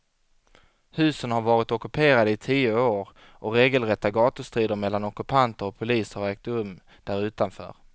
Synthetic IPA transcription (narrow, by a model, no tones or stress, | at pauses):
hʉ̟ːsənhaɾvɑːɾɪt̪ɔkɵpʰeːɾad̪əɪt̪ʰiːʊoːɾ | ʔɔɾeːɡəlɾɛt̪ːaɡɑːt̪əst̪ɾiːd̪əɾmɛlːanɔkɵpʰant̪əɾɔpʰʊliːsəhaɾɛːk̚t̪ɵmː | d̪̥æɾʉ̟ːt̪anfœ̰ːɾ